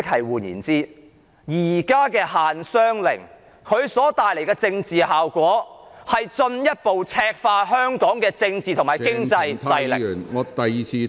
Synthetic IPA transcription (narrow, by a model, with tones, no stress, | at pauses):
ɪ˥k̚hɐ˨˩jwuː˨˩njḭː˨˩nt͡siː˥ | jiː˩˨˩kaː˥kɛː˧haː˨nsœː˥ŋlɪ̰˨˩ŋ | kʰɵ˨˧ɥsɔː˨˥t̪aː˨jle˨˩jkɛː˧t͡sɪ˧ŋt͡siː˨haː˨wkʷɔː˨˥hɐ˨jt͡ʃɵ˧njɐ˥t̚po˨wt͡sʰɛː˧k̚faː˧ɦœː˥ŋkɔː˨˥ŋkɛː˧t͡sɪ˧ŋt͡siː˨t̪ʰmaː˨˩kɪ˥ŋt͡sɐ˧jɐ˧jlɪ̰˨˩nŋː˨˧t̪ɐ˨jiː˨t͡sʰiː˧